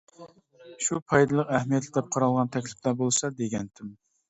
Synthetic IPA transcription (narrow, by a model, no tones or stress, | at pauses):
ʃupʰɑjd̪ɨlˠəqæhmijɛt̪lɪd̪ɛp̚qʰɑɾɑlˠʁɑnt̪ʰɛkʲlɪ̥plæbolˠsɑd̪eɡʲɛnt̪ʰɪm